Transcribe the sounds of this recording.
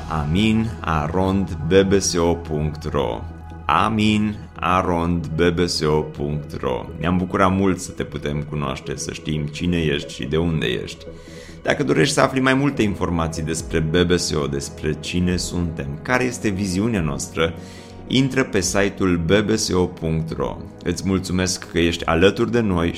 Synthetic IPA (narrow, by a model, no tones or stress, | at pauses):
amina̰ɾo̞nd̪be̞be̞seo̞puŋkt̪ro̞̰ | a̰min | a̰ɾo̞nd̪be̞be̞seo̞puŋkt̪ro̞̰neambukuɾamult̪sə̥t̪e̞put̪e̞mkunoa̰ʃt̪e̞sə̰ʃt̪imt͡ʃine̞je̞ʃt̪ʲʃḭd̪e̞und̪e̞̰je̞̰ʃt̪ʲ | d̪̥a̰kəd̪o̞ɾe̞ʃt̪ʲsəaflimajmult̪einfo̞rmat̪sijd̪e̞spɾe̞be̞be̞seo̞d̪e̞spɾe̞t͡ʃine̞sunt̪e̞mkaɾe̞je̞st̪e̞viziuneanoast̪ɾə | ḭnt̪ɾəpe̞sajt̪ulbe̞be̞seopʰuŋkt̪ro̞̰ | ɨt̪sʲmult̪sume̞skːəje̞ʃt̪ʲa̰lət̪urd̪e̞no̞j